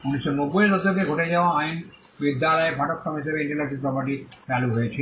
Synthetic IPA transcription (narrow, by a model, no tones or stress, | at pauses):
unisːɔnobːojɾɔd̪okeɡʱoʈed͡ʒaoaajn | bid̪ʱːjalɔjebʱaʈɔt̪sɔmɦisebeiɳʈelasinpɾɔpɐɾʈit͡ʃaluɦojet͡ʃʰi